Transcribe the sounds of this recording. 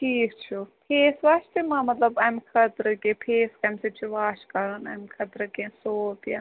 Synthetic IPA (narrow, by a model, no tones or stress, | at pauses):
ʈʰiːkt͡ʃʰupʰeːsʋaːʃt̪imãːmɐt̪lɐbɐmkʰɐt̪ɾɨkẽpʰeːskɐmset͡ʃʰiʋaːʃkɐɾɐnɐmkʰɐt̪ɾɨkẽsoːpja